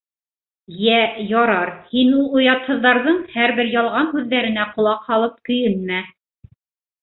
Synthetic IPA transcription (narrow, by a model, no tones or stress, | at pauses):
jæjɑɾɑɾhinulˠujɑt̪hɤ̆ðːɑɾðɤɴhæɾβɘɾjɑlˠʁɑnɦʉðːæɾɘ̆næqŏlˠɑqhɑlˠɤp̚kɵ̆jɘnmæ